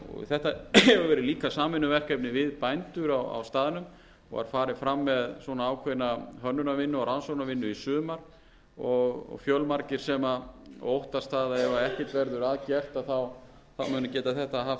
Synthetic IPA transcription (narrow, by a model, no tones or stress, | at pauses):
ɔ̰θɛht̪aɛvʏvɛːɾɪliːkasaːmɪnːʏvɛr̥kɛpnɪvɪðpajnt̪ʏɾawa̰wst̪aːðɪnʏm | ɔ̰ɣa̰ɾ̥faːɾɪfɾamːɛðswɔnaaːwkʰejnaɦœnːʏnavɪnːʏawɾansownavɪnːʏisʏːmaɾ | ɔɣɔ̰ɣfjœlmaɾcɪɾ̥sɛmaowht̪ast̪aːðaɛvaɛhcɪt̪vɛɾðʏɾaðcɛr̥t̪aθaw | θawmʏːnacɛːt̪aθɛht̪aɦaft̪